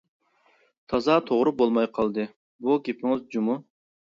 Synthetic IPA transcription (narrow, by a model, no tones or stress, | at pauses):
t̪ʰɑzɑt̪ʰoʁɾubolˠmɑjqʰɑlˠd̪ɨ | buɡʲepʰɪŋɪzd͡ʒumu